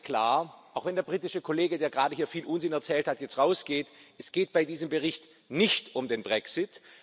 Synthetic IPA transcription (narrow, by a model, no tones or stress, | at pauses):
kl̥a̰ːɐʔaʊxv̥ɛndeːɐbʁiːtɪʃəkʰoleːɡədeːɐɡʁaːdəɦiːɐfiːlʔʊnzɪnɛɐt͡sɛːlthatjɛt͡stʁaʊsɡ̥eːtɛsɡ̥eːt̚b̥aɪdiːzəmbəʁɪçt | nɪçtʊmdeːnbʁɛksɪt